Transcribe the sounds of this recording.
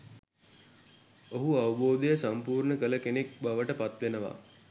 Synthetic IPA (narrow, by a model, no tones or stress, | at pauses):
oɦuaʋəboːd̪əjəsampuːrɳəkələkenek̚baʋəʈəpat̪ʋenəʋa̰